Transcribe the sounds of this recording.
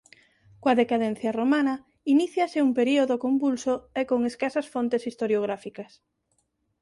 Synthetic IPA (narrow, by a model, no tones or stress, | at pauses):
koaðekaðen̟θjɐromanɐ | iniθjɐseumpeɾioðokombulsoekoŋeskasɐsfont̪esist̪oɾjoɣɾafikɐs